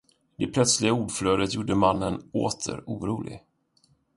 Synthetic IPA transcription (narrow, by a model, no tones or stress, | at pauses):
d̪̥ɛpʰlœt̪slɪɡauːɖfløːd̪ət̪juːɖəmanːənoːt̪ʰə̰ɾuːɾuːlɪ̰ɡ